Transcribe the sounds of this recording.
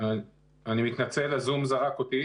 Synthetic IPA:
a | animit̪nat͡selazumzaʁakot̪i

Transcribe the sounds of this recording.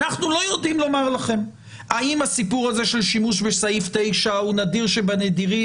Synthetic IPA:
aχnulo̞jo̞dimlo̞maʁlaχe̞m | aimasipuʁaze̞ʃe̞lʃimuʃbesaift̪e̞jʃaunad̪iʁʃebaned̪iʁi

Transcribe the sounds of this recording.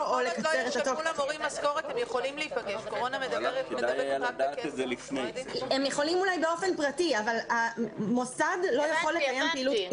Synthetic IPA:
olekat͡seʁet̪atolaʁimaskoʁet̪hemjeχolimliːpaɡeʃkoʁonamed̪abeʁetded̪ajad̪aezelifneemjeχo̞limulajbeo̞fe̞npʁatiavalamo̞sad̪lo̞jaχo̞lːekajempeilu

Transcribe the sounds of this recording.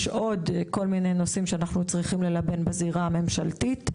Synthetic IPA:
ʃʔo̞dko̞lminejno̞simʃeanaχnut͡sʁiχimle̞labe̞nbaziʁaːme̞mʃaltit

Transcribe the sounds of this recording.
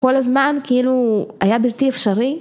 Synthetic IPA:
ko̞lazmankeiluajabilt̪iefʃaɾi

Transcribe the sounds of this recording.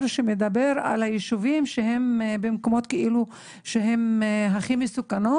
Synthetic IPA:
ɾʃemed̪abeɾa̰lajeʃuvimʃeɦembemko̞mo̞t̪keʔilu | ʃeɦemɦaχimesukano

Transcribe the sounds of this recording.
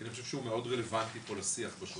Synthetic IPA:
aniχo̞ʃevʃeumeo̞dʁele̞vant̪ipolasiaχbaʃu

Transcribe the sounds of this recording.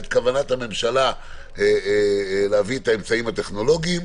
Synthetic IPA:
t̪̚kavanathame̞mʃala | e | leaviet̪ae̞mt͡saimat̪e̞χno̞lo̞ɡiim

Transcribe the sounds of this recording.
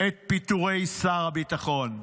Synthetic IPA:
et̪̚pit̪uʁejsaʁabit̪aχon

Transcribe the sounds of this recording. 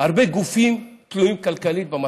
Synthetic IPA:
aʁbeɡufimt̪luimkalkalit̪̚bema

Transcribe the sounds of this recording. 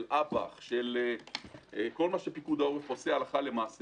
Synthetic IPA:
lʔaba̰χʃele | ko̞lmaʃepikud̪aoʁefosealaχale̞maːs

